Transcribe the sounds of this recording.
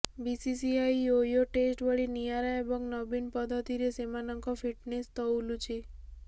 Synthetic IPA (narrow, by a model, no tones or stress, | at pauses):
bisisiaiojoʈesʈʋəɭinijaɾaebɔɡnɔbinpəd̪ʱːət̪iɾesemanəŋkɔfiʈnest̪ɔulut͡ʃʰi